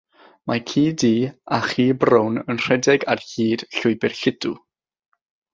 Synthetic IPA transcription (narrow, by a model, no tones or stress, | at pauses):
mʔakʰiːdiːaχiːbrownənr̥ɛdɛɡarhiːd̥ɬʊɨbɪrɬɪdu